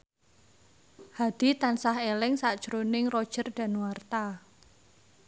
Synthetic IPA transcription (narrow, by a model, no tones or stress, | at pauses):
had̪̥i̤t̪ansahelɪŋsad̥ʒ̥ɾonɪŋrɔd̥ʒ̥ə̤rd̥a̤nwart̪a